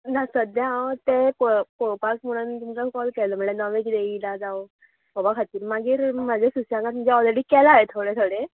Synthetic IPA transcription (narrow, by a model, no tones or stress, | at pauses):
nasəd̪jaat̪ekokopasmuɽənt̪umkakɔlkɛləm̤əɭenəʋekd̪eilad͡zaw | bɔbakʰat̪iːɾmaɡiːɾmad͡zʱesusjãŋɡat̪məd͡ʑaɔleɽiːkɛlaet̪ʰoɽet̪ʰoɽe